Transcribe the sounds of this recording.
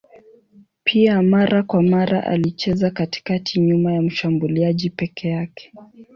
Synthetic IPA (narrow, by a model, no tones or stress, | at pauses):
pʰiamaɾʔakwamaɾa̰ʔa̰lit͡ʃɛzakati̥katʰiɲumajam̩ʃambuliaʄipɛkʰɛjakɛ̥